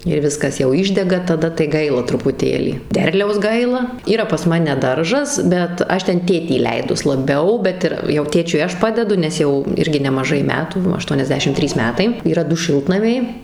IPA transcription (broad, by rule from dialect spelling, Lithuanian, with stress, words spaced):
ɪr ˈʋʲɪskɐs jɛʊ ɪʒʲdʲɛɡɐ tɐˈdɐ tɐɪ ˈɡɐɪlˠɐ trʊpʊˈtʲeːlʲiː ˈdʲɛrʲlʲɛʊs ˈɡɐɪlˠɐ ˈiːrɐ pɐs ˈmɑːnʲɛ ˈdɐrʒɐs bʲɛt ˈɐʃ ˈtʲɛn ˈtʲeːtʲiː iːˈlʲɛɪdʊs lˠɐˈbʲɛʊ ˈbʲɛt ɪr jɛʊ ˈtʲeːt͡ʃʲʊɪ ˈɐʃ ˈpɑːdʲɛdʊ nʲɛs ˈjɛʊ ˈɪrʲɡʲɪ nʲɛmɐˈʒɐɪ ˈmʲæːtuː ɐʃtuɔnʲɛzʲˈdʲæːʃʲɪm ˈtʲrʲiːs ˈmʲæːtɐɪ iːˈrɐ ˈdʊ ˈʃʲɪlˠtnɐmʲɛɪ